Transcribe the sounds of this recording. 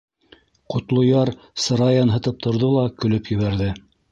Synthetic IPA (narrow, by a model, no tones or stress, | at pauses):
qŏt̪lˠŏjɑɾ | sɤ̆ɾɑjɑnɦɤ̆t̪ɤp̚t̪ʰŏɾðolˠɑkɵ̆lɵpjɵ̆βæɾðɘ